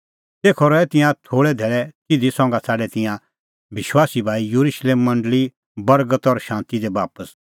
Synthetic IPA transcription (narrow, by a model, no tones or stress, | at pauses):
t̪eːkʰɔɾɔɛt̪ɪ̃jãt̪ʰoːɭɛd̪ʱeːɭɛtɪd̪isɔ̃ŋɡat͡sʰaːɖɛt̪ɪ̃jã | bɪʃwaːsibʱaːijuɾuʃleːmːɐ̃ɳɖəli | bɐɾɡət̪ɔɾʃãːnt̪id̪ɛbaːpəs